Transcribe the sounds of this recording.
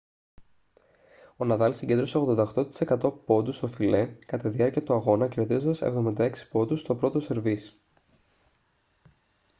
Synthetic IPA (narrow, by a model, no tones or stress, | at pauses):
o̞nɐðɐlsiɲɟend̪ɾo̞seo̞ɣðo̞nd̪ɐxt̪o̞t̪i̥se̞kɐt̪o̞po̞d̪ust̪o̞file̞kɐt̪ɐt̪iðiɐɾciɐt̪uɐɣo̞nɐceɾe̞t̪izond̪ɐsḛvðo̞mind̪ɐeksi̥po̞d̪ust̪o̞pɾo̞t̪o̞se̞ɾvis